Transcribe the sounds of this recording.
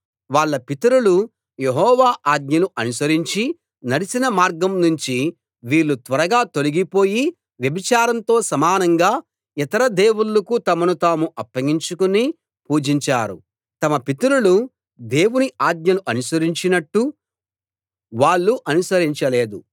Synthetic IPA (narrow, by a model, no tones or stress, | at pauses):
ʋaːɭːɐpit̪ɐɾulu | je̞ɦɔːʋaːʔaːd̪̚ɲɐluʔɐnusɐɾiɲt͡ʃi | nɐɽisinɐmaːɾɡɐmnuɲt͡ʃi | ʋiːɭːut̪ʋɐɾɐɡaːt̪o̞liɡipo̞ːji | ʋjɐbit͡ʃaːɾɐnt̪o̞ːsɐmaːnɐŋɡaː | it̪ɐɾɐd̪e̞ːwulːɐkut̪ɐmɐnut̪aːmuʔɐpːɐɡiɲt͡ʃukuni | puːd͡ʒiɲt͡ʃaːɾṵ | t̪ɐmɐpit̪ɐɾulu | d̪eːwuniʔaːd̪̚ɲɐluʔɐnusɐɾiɲt͡ʃinɐʈːu | ʋaːɭːuʔɐnusɐɾiɲt͡ʃɐle̞ːd̪u